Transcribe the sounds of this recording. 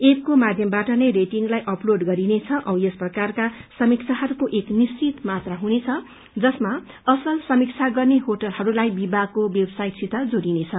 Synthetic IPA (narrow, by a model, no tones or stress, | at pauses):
ep̚komad̪ʱjʌmbaʈʌnʌjreʈiŋɡlajʔʌploɖɡʌɾinet͡sʰʌʔʌwjesprʌkarkasʌmik̚t͡sʰaɦʌɾukoʔeknist͡sit̪mat̪raɦunet͡sʰʌ | d͡zʌsma | ʌsʌlsʌmik̚t͡sʰaɡʌrneɦoʈʌlɦʌɾulajbibakowjebsajʈsʰit̪ad͡zoɾinet͡sʰʌ